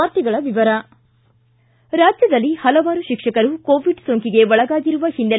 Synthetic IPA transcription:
aːɾt̪iɡɐɭɐʋiʋɐɾɐ | ɾaːd͡ʒjɐd̪ɐlːihɐlɐʋaːɾuʃikʂɐkɐɾukoːʋiɖsoːŋkiɡe̞ʋɔɭɐɡaːɡiɾuʋɐhind̪e

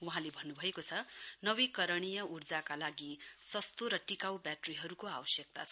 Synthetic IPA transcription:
wuɦãlebʱʌnːubʱʌekot͡sʰʌnʌbikʌɾʌɽ̃ijʌurd͡zakalaɡisʌst̪oɾʌʈikawbjaʈriɦʌɾukoabʌsjʌk̚t̪a̰t͡sʰʌ

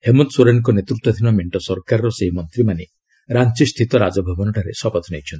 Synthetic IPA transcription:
hemunt̪suɾenɔk̬ɔnet̪ɾut̪wɔd̪ʱinɔmeɳʈɔsɔɾkaɾɔɾɔseɦimɔnt̪ɾimane | ɾant͡ʃist̪ʰit̪ɔɾad͡ʒɔbʱɔbɔnɔʈʰaɾḛsɔpɔt̪ʰɔnejt͡ʃʰɔnt̪i

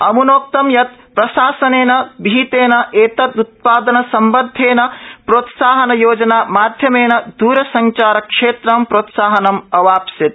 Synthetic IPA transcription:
ɐmunoːk̚t̪ɐmjɐt̪̚pɾɐʃaːsɐneːnɐbʱiːt̪eːnɐʔeːt̪ɐt̪ut̪̚paːd̪ɐnɐsɐmbɐd̪ʱeːnɐpɾoːt̪saːɦɐnɐjoːd͡ʒɐnaːmaːd̪ʱjɐmeːnɐd̪uːɾɐsɐɲt͡ʃaːɾɐkʂeːt̪ɾɐmpɾoːt̪saːɦɐnɐmɐʋaːpsit̪̚

